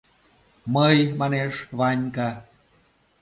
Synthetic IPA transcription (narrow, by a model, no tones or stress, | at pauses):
məjmɑneʃβɑnʲkɑ